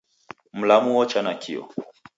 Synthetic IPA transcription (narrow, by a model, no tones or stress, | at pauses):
m̩lamuwɔt͡ʃanakʰḭɔ̰